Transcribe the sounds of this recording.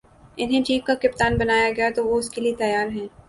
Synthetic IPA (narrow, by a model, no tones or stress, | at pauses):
ɪnɦẽt͡ʃiːpkakɪp̚t̪aːnbɐnaːjaɡɐjat̪oʋoʊskeliet̪ɐjaːɾɦɛ̃ː